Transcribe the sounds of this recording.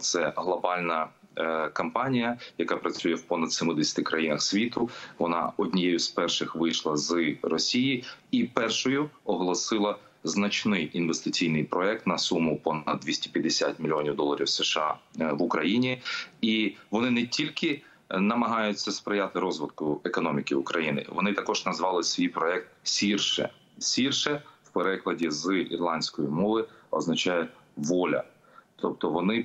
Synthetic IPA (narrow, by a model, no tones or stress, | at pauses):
t̪sɛɦlˠɔbɑlʲnɐ | kɐmpɑnʲijɐjɐkɑpɾɐt͡sʲujɛwpɔnɐd̪̥semʊd̪esʲɐ̥t̪ɪkɾɐjinɐxsʲʋʲit̪ʊʋɔnɑ̰ɔdʲnʲijɛjʊspɛrʃɪxʋɪjʃlˠɐzɨrɔsʲijiipɛrʃɔjʊɔɦɔlˠɔsɪlˠɐ | znɐt͡ʃnɪjinʋest̪ɪt͡sʲijnɪjpɾɔɛk̚t̪nɐsumʊpɔnɐd̪d̪ʲʋʲisʲtʲi̥pʲjɐd̪esʲat̪ʲmʲilʲijɔnʲiwd̪ɔlˠɐɾʲiwseʃɑ̰ʋʊkɾɐjinʲiiʋɔnɪnɛtʲilʲkɪ | nɐmɐɦɑjʊt͡sʲːɐspɾɪjat̪ɪɾɔzʋɪd̪kʊekɔnɔmʲikɪʊ̰kɾɐjinɪ̰ʋɔ̰nɪt̪ɐkɔʒ̥nɐzʋɑlˠɪsʲʋʲijpɾɔɛk̚t̪̚sʲirʃɛ̰ | sʲirʃɛwpeɾɛklˠɐdʲizɨḭrlˠɑnʲsʲkɔjimɔʋɪɔ̰znɐt͡ʃɑjɛʋɔlʲɐ̰ | t̪ʰɔp̚t̪ɔʋɔnɪ